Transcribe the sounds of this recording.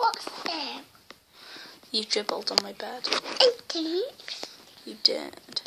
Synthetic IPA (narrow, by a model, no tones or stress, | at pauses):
wɔtsɛm | jədɹɪbəl̩ˠdn̩maɪbɛd̥ətʰi | jədɪ̰d̥